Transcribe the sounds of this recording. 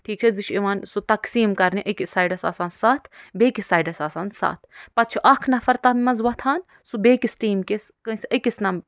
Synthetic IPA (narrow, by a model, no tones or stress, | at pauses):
ʈʰiːk̚t͡ʃʰɐzit͡ʃʰiʋaːnsut̪ɐksiːmkɐɾniʔɐkʲisaːjɖɐsa̰ːsaːnsaːt̪ʰbeːkisaːjɖɐsaːsaːnsa̰ːt̪ʰpɐt̪̚t͡ʃʰiʔɐkʰnɐfɐɾt̪ɐmmɐnzʋɐt̪ʰaːn | subeːkisʈiːmkeskəsiɐkisnɐm